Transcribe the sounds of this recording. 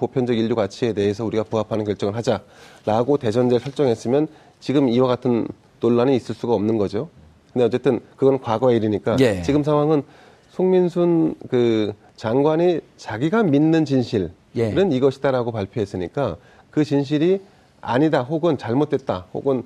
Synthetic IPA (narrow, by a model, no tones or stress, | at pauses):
popʰjʌnd͡ʑʌɡiʎːuɡat͡ɕʰie̞de̞ɦe̞s̬ʰʌuɾiɡapuɦapʰanɯnkjʌɭt͡ɕ͈ʌŋɯɭɦad͡ʑaɾaɡote̞d͡ʑʌnd͡ʑeɭsʰʌɭt͡ɕ͈ʌŋɦes͈ɯmjʌn | t͡ɕiɡɯmiwaɡatʰɯn | toɭːaniːs͈ɯɭs͈uɡaʌmnɯnɡʌd͡ʑo | kɯnde̞ʌt͡ɕ͈e̞t͈ɯnkɯɡʌnnkwaɡʌeiɾiɲik͈at͡ɕiɡɯmsʰaŋɦwaŋɯn | sʰoŋminsʰunkɯ | t͡ɕaŋɡwani | t͡ɕaɡiɡaminːɯnt͡ɕinɕʰiɭ | ɾɯniɡʌɕʰi̥daɾaɡopaɭpʰjoɦe̞s͈ɯɲik͈a | kɯt͡ɕinɕ̬ʰiɾi | a̰ɲidaɦoɡɯnt͡ɕaɭmot̚ʰwe̞t̚t͈aho̰ɡɯn